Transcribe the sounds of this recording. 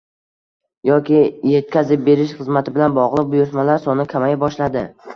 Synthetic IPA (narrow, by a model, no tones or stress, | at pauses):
jɒkʲɪje̞t̪̚kʲʰazɪp̚be̞ɾɪʃχɨzmat̪ʰɪbɪlanbɒʁlˠɨq̚bʊjʊɾt̪malaɾsɒnɪkʲʰamajabɒʃlad̪ɪ